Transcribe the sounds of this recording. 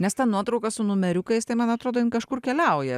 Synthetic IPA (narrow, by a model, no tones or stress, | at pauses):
nʲɛst̪ʲɐnnuɔt̪ɾɒʊkɐsʊnʊmʲɛɾʲʊkɐɪst̪ɐɪmɐnɐt̪ɾoːd̪oːɪnkɐʃkʊɾkʲɛlʲɛʊjɛ